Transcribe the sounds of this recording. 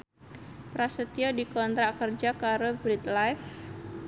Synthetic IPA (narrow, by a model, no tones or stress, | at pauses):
pɾasət̪iɔdikɔnt̪ɾakərd͡ʒakaɾobɾit̪lajf